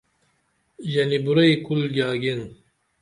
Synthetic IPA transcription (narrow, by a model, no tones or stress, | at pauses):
ʑɐnibuɾɐjkulɡʲaːɡin